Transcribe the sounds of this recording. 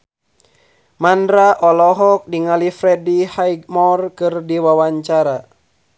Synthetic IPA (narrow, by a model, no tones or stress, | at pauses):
mandɾaʔɔlɔɦɔk̚diŋalifɾɛdihaiɡ̚mɔrkɨrdiwawaɲt͡ʃaɾa